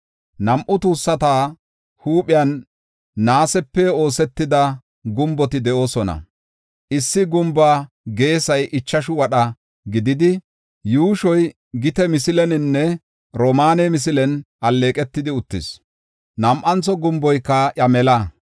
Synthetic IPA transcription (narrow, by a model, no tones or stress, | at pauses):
nɐmʔʊt̪uːsːɐt̪aː | huːɓɪjɐnː | aːsɛpːɛo̞ːsɛt̪ːɪd̪ɐ | ɡʊmbɔt̪ɪd̪ɛʔo̞ːsɔnɐ̰ | ʔɪsːɪɡʊmbaː | ɡe̞ːsɐjʔɪt͡ʃːɐʃʊwɐɗɐ | ɡɪd̪ɪd̪ɪ | juːʃɔj | ɡɪt̪ɛmɪsɪlɛnɪnːɛ | ɾomaːnɛmɪs̬ɪlɛnʔɐlːe̞ːkʼɛt̪ːɪd̪ɪʊt̪ːɪs | nɐmʔɐnt͡sɔɡʊmbɔjkːɐʔɐmɛlɐ